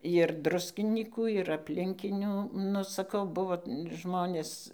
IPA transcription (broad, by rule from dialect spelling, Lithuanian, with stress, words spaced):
jɪr ˈdrʊsʲkʲɪnʲiːkuː ɪr ɐpʲlʲɪŋʲˈkʲɪnʲuː nʊ sɐˈkɐʊ ˈbʊʋoː ˈʒmoːnʲeːs